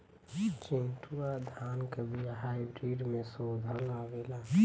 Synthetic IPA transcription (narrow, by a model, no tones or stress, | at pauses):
t͡ʃinʈuɾad̪ʱaːnkəbʱiɦaɪbɾiɖmẽsoːd̪ʱəlaʋela